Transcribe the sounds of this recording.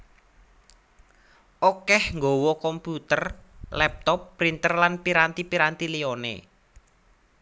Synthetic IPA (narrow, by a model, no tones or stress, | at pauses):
ʔokɛhŋɡowɔkɔmput̪ərlɛp̚t̪ɔpːɾint̪ərlanpiɾant̪ipiɾant̪ilionḛ